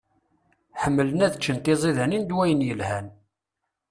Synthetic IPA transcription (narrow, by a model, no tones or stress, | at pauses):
ħəmːələnæðt͡ʃːənt̪izˤiðænind̪wæjənjəlhæn